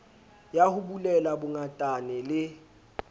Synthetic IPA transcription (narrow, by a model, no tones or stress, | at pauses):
jahʊbulɛlabʊŋatʼanɛlɪ